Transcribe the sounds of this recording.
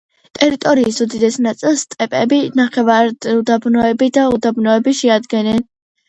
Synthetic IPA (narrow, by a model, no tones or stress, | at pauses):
t̪ʼɛɾit̪ʼɔɾiːsud̪id̪ɛsnat̪sʼilˠst̪ʼɛpʼɛbinaχɛvaɾd̪ud̪abnɔɛbid̪aud̪abnɔɛbiʃɛad̪ɡɛnɛn